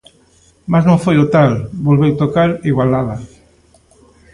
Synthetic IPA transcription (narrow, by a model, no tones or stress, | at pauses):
maznõŋfojʊt̪albolβewt̪okaɾiɣwalaða